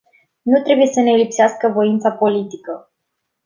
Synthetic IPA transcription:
nut̪ɾe̞buje̞səne̞lipseaskəvo̞int̪sapo̞lit̪ikə

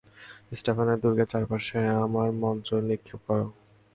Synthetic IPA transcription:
sʈepʰaneɾd̪uɾɡat͡ɕaɾpaʃeamaɾmɔnt̪ɾoɾnikʰːep̚kɔɾo

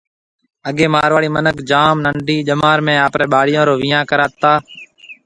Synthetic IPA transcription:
əɠẽːmaːɾʋaːɽiːmənəkd͡ʒaːmnəɳɖiːd͡ʒəmaːɾmẽːaːpɾeːɓaːɽɪjõːɾoːʋɪjãːkəɾaːt̪aː

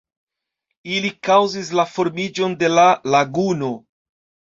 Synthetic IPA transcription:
ilikawzis̬lafo̞ɾmid͡ʒo̞nde̞lalaɡuno̞

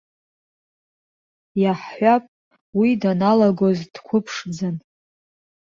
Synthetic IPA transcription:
jaħːʷapʼ | widanalaɡozd̥kʷʰʊpʰʂd͡zan

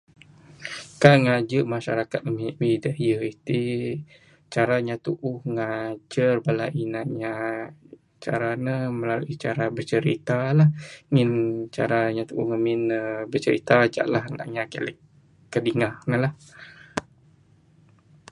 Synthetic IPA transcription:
kaŋad͡ʒəʔmaʃa̰ɾakat̪̚əmiʔmidəjəit̪i | t͡ʃaɾaɲat̪uʔʊhŋad͡ʒərbalaʔinaʔɲa | t͡ʃa̰ɾanəməlaluʔit͡ʃaɾabərt͡ʃəɾḭt̪alahŋɪnt͡ʃa̰ɾaɲat̪uʔuhŋəminəbərt͡ʃəɾḭt̪ad͡ʒa̰ʔlaɦna̰ʔɲakə̰lɛkː | ədiŋahnəlah

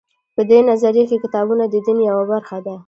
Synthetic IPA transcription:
pəd̪enazaɾjakekɪt̪ɑbunad̪əd̪injawabaɾxad̪a

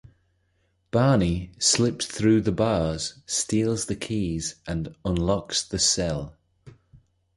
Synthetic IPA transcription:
b̥ɑːnislɪpsθɹʉːðəbɑːz̥stiːlˠzðəkʰiːzʔə̃nə̃nlɒksðəsɛlˠ

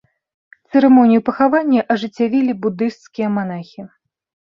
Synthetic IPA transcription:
t̪sɨɾɛmɔnʲijupɐxavanʲːɐʔɐʐɨt͡sʲːavʲilʲibud̪ɨʂt̪skʲijɐmanaxʲi

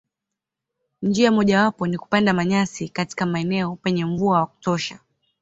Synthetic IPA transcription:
ɲd͡ʒiamɔʄawapɔniku̥pandamaɲasikati̥kamaɛnɛɔpɛɲɛɱvuawaku̥tɔʃa

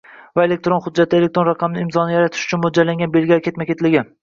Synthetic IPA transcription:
vae̞le̞k̚t̪ɾonχʊd̪̚d͡ʒːat̪ʰɪe̞lek̚t̪ɾo̞nɾɑqʰɑmnɪɪmzɒnɪjaɾat̪ʰɪ̥ʃʊ̥t͡ʃʰʊnmod͡ʒalaŋɡʲanbe̞lɡʲaɾkʲet̪makʰʲe̞t̪lɪɡʲɪ

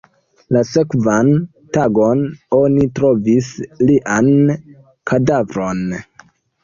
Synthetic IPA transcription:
lase̞kvan | taɡo̞no̞nitɾo̞visliʔan | kʰadavɾo̞n

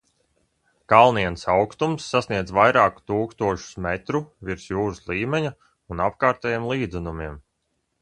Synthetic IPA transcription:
kalˠniɛnsawkst̪umsːasniɛd̪zvajɾaːku̥t̪uːkst̪uɔʃu̥smɛt̪ɾuviɾsjuːɾuslˠiːmʲɛɲa | unap̚kaːɾt̪ɛjimlˠiːd̪zɛnumiɛm

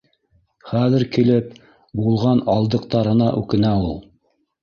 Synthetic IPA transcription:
χæðɘ̆ɾkĭlɘp̚ | bulˠʁɑnɑlˠd̪ɤ̆q̚t̪ɑɾɤ̆nɑʔʉkɘ̆næulˠ

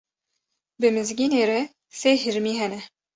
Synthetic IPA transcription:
bɨmɨzɡiːneːɾɛ | seːhɨɾmiːɦɛnɛ

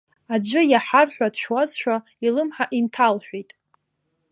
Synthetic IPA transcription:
ad͡ʒʷʊjaħarħʷᶣadʃwat͡sʃᶣʷa | ilɨmħaʔintʰalħᶣʷijtʼ

